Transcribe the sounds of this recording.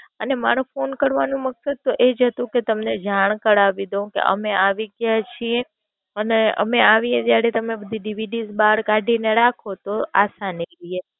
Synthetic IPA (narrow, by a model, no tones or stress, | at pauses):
ənema̰ɾofonkəɾʋanũməksəd̪̚t̪oʔed͡ʒɦət̪ũket̪əmned͡ʒaɳ̃kəɽaʋid̪õkḛʔə̰meaʋiɡjat͡ʃʰie | əneə̰meaʋied͡ʒjaɾet̪əmebəd̪ʱiɖiʋiɖizbaɽkaɖʱineɾakʰot̪oasanilie